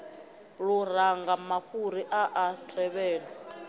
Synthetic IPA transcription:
luɾaŋɡamaɸuɾiʔaʔatʰʼɛβɛːlɔ

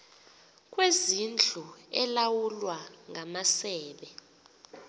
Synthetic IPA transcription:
kʼwezind͡ɮʱuɛlawulwaŋʱamasɛːɓɛ

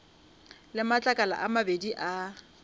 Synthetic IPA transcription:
lɪmat͡ɬʼakʼala̰ʔamabediʔa

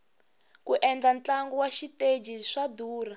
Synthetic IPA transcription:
kuʔɛnd͡ɮant͡ɬaŋɡɔwaʃited͡ʒiʂad̪uːra

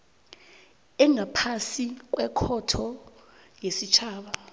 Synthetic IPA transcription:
ɛŋapʰasik̬ʼwɛkʰɔtʰɔ | jesit͡ʃʰaːɓa

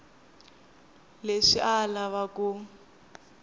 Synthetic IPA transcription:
leʂiʔalaβaku

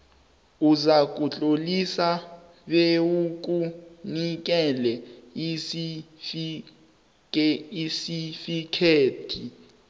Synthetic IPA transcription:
uzak̬ʼut͡ɬʼolisa | ɓeuk̬unik̬ɛlɛs | isifikʰeːtʰi

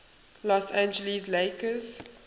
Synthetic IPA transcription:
lɔsæ̃nd͡ʒəlisleɪkəz

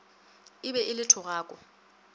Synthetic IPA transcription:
ɪbɛɪlɪtʰɔɣaːkʼɔ

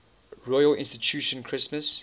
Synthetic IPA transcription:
ɹɔjəlɪ̃nstit͡ʃʰuʃə̃nkʰɹ̥ɪsməs

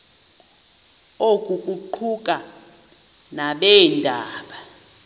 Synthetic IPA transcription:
okʼukʼuǃʰukʼa | naɓɛndʱaːɓa

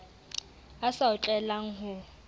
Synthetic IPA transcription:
asaʊt͡ɬʼɛlaŋ̩ɦʊ

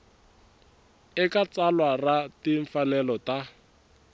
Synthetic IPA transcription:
ɪkat͡salwaratiɱ̩fanɛlɔta

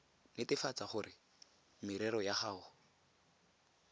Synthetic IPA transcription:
nɪtɪfat͡saχʊrɪ | mɪɾɛɾɔjaχaːʊ

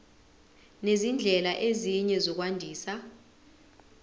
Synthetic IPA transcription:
nezind͡ɮʱɛlaʔeziɲɛzɔk̬wandʱiːsa

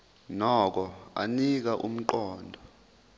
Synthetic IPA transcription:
nɔk̬ɔa̰nik̬aʔum̩ǃɔːndʱɔ

